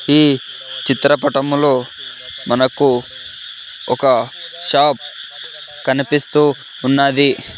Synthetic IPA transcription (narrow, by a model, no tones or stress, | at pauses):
iː | t͡ʃit̪ɾɐpɐʈɐmlo̞ː | mɐnɐku | ɔkɐʃaːp̚ | kɐnipist̪uː | nːaːd̪i